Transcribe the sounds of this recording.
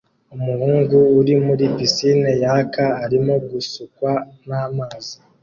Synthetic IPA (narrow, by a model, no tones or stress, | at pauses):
umuɾuːŋɡuːɾimuɾipisinejakaːɾimoɡusukwanamaːzi